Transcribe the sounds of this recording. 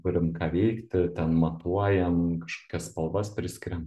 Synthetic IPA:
kʊɾʲɪmkɑːʋʲɛɪkt̪ʲɪt̪ʲɛnmɐt̪uɔjɛmkɐʃko̥ːkʲɛsspɐlˠbɐspʲɾʲɪsʲkʲɪɾʲɛm

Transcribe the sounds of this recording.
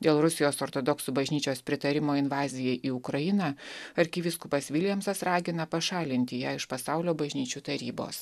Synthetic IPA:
d̪ʲeːlˠɾʊsʲɪjoːsoːɾt̪od̪ɔksubɐʒʲnʲiːt͡ʃʲoːspʲɾʲɪt̪ɐɾʲɪmoːɪnʋɑːzʲɪjɛʔiːʊkɾɐjɪnɐɐɾʲkʲɪʋʲɪskupɐsʲʋʲɪlʲɛmsɐsɾɑːɡʲɪnɐpɐʃɑːlʲɪnʲt̪ʲɪjæːɪʃpɐsɑʊlʲoːbɐʒʲnʲiːt͡ʃʲuːt̪ɐɾʲiːbo̰ːs

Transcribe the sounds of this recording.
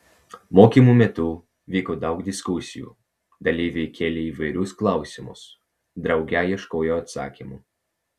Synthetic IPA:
moːkʲimumʲɛt̪ʊ | ʋʲiːkoːd̪ɐʊɡd̪ʲɪskʊsʲɪjṵː | d̪ɐlʲɪʋʲɛkʲeːlʲeːiːʋɐɪɾʲʊsklˠɐˑʊsʲimʊ̰s | d̪ɾɐʊɡʲæjiɛʃkoːjoːɐt̪sɑ̰ːkʲimuː

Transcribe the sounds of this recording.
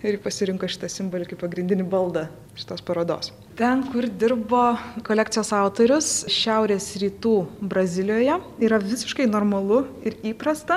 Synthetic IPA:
ɪɾjipɐsʲɪɾʲɪŋkɐʃʲɪ̥t̪ɐsʲɪmboːlʲɪkɐɪpɐɡɾʲɪnʲd̪ʲɪnʲɪbɐlˠd̪ɐ | ʃʲɪ̥t̪oːspɐɾoːd̪o̰ːs | t̪ʲɛnkʊrd̪ʲɪɾboːkoːlʲæːk̚t̪t͡s̪ʲɪjoːsɑʊt̪oːɾʲʊsʃʲæˑʊɾʲeːsɾʲiːt̪uːbɾɐzʲɪlʲɪjoːjɛiːɾɐʋʲɪsʲɪ̥ʃkɐɪnoːɾmɐlˠʊɪɾiːpɾɐst̪ɐ

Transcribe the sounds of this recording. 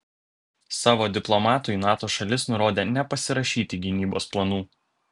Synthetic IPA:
sɑːʋoːd̪ʲɪplˠɔmɑːt̪ʊnɑːt̪oːʃɐlʲɪsnʊɾoːd̪ʲeːnʲɛpɐsʲɪɾɐʃʲiːt̪ʲɪɡʲɪnʲiːbo̰ːsplˠɐnuː

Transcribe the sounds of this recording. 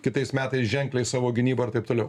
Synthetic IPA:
kʲɪt̪ɐɪsmʲæːt̪ɐɪsʒʲɛŋʲklʲɛɪsɑːʋoːɡʲɪnʲiːbɐɪɾt̪ɐɪp̚t̪oːlʲɛʊ

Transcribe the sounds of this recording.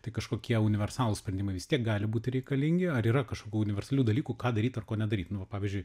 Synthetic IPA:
t̪ɐɪkɐʃkoːkʲiɛʊnʲɪʋʲɛrsɑːlˠuːsʲpʲɾʲɛnd̪ʲɪmɐɪʋʲɪst̪ʲiɛk̚ɡɑːlʲɪbuːt̪ʲɪɾʲɛɪkɐlʲɪŋʲɡʲɪɐɾiːɾɐkɐʃkoːkʲuːʊnʲɪʋʲɛrsɐlʲuːd̪ɐlʲiːkuːkɑːd̪ɐɾʲiːt̪ɐrkoːnʲɛd̪ɐɾʲiːt̪nʊʋɐpɑːʋʲɪzʲd͡ʒʲʊɪ

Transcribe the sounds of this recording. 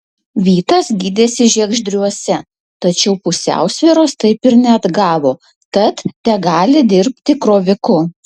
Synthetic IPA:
ʋʲiːt̪ɐsɡʲiːd̪ʲeːsʲɪʒʲiɛɡʒʲd̪ʲɾʲuɔsʲɛ | t̪ɐt͡ʃʲɛʊpʊsʲæ̰ˑʊsʲʋʲiːɾoːst̪ɐɪpɪɾnʲɛɐd̪ɡɑːʋoː | kɐt̪t̪ʲɛɡɑːlʲɪd̪ʲɪɾʲpʲt̪ʲɪkɾoːʋʲɪkʊ

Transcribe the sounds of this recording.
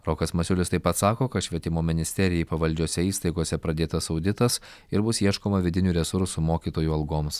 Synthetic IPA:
ɾɔːkɐsmɐsʲʊlʲɪst̪ɐɪpːɐt̪sɑːkoːkɐt̪ʃʲʋʲiɛt̪ʲɪmoːmʲɪnʲɪsʲt̪ʲɛɾʲɪjɛɪpɐʋɐlʲd͡ʒʲuɔsʲɛiːst̪ɐɪɡoɔsʲɛpɾɐd̪ʲeːt̪ɐsɒʊd̪ʲɪt̪ɐs | ɪɾbʊsiɛʃkoːmɐʋʲɪd̪ʲɪnʲuːɾʲɛsʊɾsʊmoːkʲiːt̪oːjuɐlˠɡoːms

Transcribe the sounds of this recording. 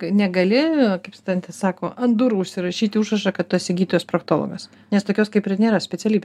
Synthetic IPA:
ɐnʲɛɡɐlʲɪkɐɪpst̪ɐnʲt̪ʲɛsɑːkoːɐnd̪ʊɾʊʃʲsʲɪɾɐʃʲiːt̪ʲɪuːʃrɐʃɑkɐt̪̚t̪uɐsʲɪɡʲiːt̪ojʲoːspɾɐk̚t̪oːlˠo̰ɡɐs | nʲɛst̪oːkʲoːskɐɪpɪnʲeːɾɐsʲpʲɛt͡s̪ʲɛlʲiːbʲe

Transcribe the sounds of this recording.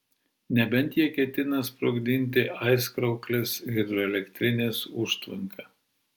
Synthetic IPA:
nʲɛbʲɛnʲˑt̪ʲjiɛkʲɛt̪ʲɪnɐspɾoɡd̪ʲɪnʲt̪ʲɪʔɐɪskɾɐʊklʲeːsɣʲɪd̪ɾɔɛlʲɛkʲt̪ʲɾʲɪnʲeːsʊʃt̪ʋɐŋkʰɐː

